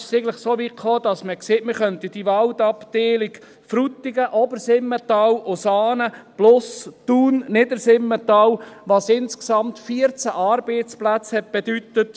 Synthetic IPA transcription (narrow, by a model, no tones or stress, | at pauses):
sɪɡələχsoːʋikχoːd̪̥ɑsməkseːtmɪχœnt̪id̥iʋɑld̪ɑpd̪̥eːliɡ | fɾut̪ːiɡəʔɔbəɾsɪmːətɑːwosɑːnəb̥lʊstuːnnɪdəɾsɪmːət̪ɑːwʋɑsɪnsksɑmt̪fiəɾt͡sæʔɑːɾbeːt͡splæt͡shɛt̚b̥ed̪ytət